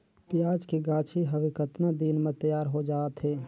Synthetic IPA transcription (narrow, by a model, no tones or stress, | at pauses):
pɪjaːd͡ʒkeɡãːt͡ʃʰiɦɐʋɪkət̪nad̪iːnmẽt̪əjaːɾɦod͡ʒaːt̪ɦɛː